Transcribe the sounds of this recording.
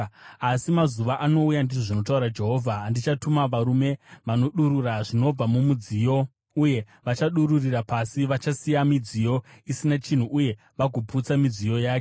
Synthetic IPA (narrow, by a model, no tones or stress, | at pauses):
asimazuʋaʔano̞ujandiʐoʐino̞t̬auɾad͡ʒe̞ɦo̞ːvʱaːndit͡ʃatumaʋaɾume̞ʋano̞ɗuɾuraʐino̞b͡vamumud͡zijo̞ | uje̞ | ʋat͡ʃaɗururirapasiʋat͡ʃasijamid͡zijo̞isinat͡ʃin̤uʔuje̞ | ʋaɡʱoput͡samid͡zijo̞jaːke